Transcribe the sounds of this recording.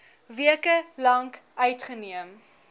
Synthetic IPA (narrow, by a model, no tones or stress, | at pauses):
viəkəlɐŋkœɥtχəniəm